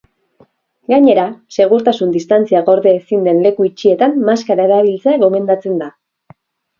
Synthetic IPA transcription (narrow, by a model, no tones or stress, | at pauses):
ɡaɲe̞ɾase̞ɣ̞uɾt̪asund̪ist̪ant͡siaɣo̞ɾðeːsind̪e̞nle̞kuit͡ʃie̞t̪amːaskaɾaeɾaβ̞ilt͡seaɣo̞me̞nd̪at͡se̞nd̪a